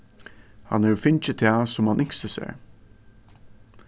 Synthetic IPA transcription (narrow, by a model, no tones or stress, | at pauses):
ha̰nɛɹfɪɲt͡ʃət̪ʰæːsʊmhanʔɪŋksəsæ̰ːɹ